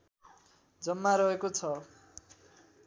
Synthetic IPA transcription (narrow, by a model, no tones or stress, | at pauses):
d͡zʌmːaɾʌɦekot͡sʰʌ